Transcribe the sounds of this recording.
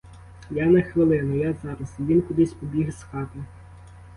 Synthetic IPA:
jɑnɐxʋɪlˠɪnʊjɑzɑɾɐsiʋʲinkʊd̪ɪsʲpɔbʲiɦsxɑt̪ɐ

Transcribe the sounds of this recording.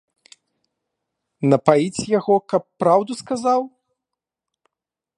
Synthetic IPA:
nɐpajit͡sʲjaɣɔkɐpːɾawd̪uskazaw

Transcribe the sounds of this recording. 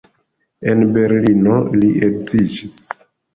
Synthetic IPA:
e̞nbe̞ɾlino̞liʔekzid͡ʒis

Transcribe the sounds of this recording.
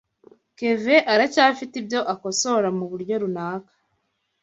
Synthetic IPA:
ke̞ve̞ʔaɾacaːfitibjo̞ʔako̞so̞ɾamuβuɾɟo̞ɾunaːkḁ

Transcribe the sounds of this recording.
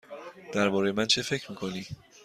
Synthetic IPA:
d̪̥æɾbɒːɾejemænt͡ʃʰe̞fe̞cʰɾmiːkʰo̞niː

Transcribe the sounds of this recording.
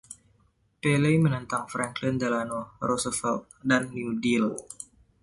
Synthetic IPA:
pelejmənənt̪aŋfɾɛŋklind̪əlanɔrɔsəfɛlt̪̚danːiudil

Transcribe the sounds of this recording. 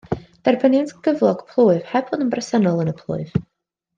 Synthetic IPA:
d̥arbənjantɡ̥əvlˠɔɡ̥pʰlˠuːɨv̥hɛpʰɔndəmbrəsənɔlˠənəpʰlˠʊ̰ɨv

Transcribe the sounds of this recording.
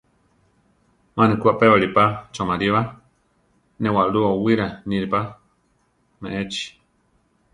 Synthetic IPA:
mãnĩkuaʔpeβaɾipat͡ʃomaɾiβa | nẽwaʔɾuawiɾanĩɾipa | mẽʔet͡ʃi̥

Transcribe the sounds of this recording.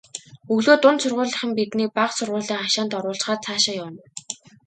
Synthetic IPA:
ɵɣɮoːt̪ʊnt̪sʊrʁʊːɮə̆χə̆mpit̪niːpaqsʊrʁʊːɮiːŋaʃaːnt̪ɔɾʊːɮɬt͡ɕχaːt͡sʰaːʃăjawə̆n

